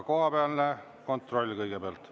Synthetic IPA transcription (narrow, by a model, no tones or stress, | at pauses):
ko̞hɑpeɑlne | ko̞nt̪ˑro̞lʲːkɤjɡebpeɑlt̪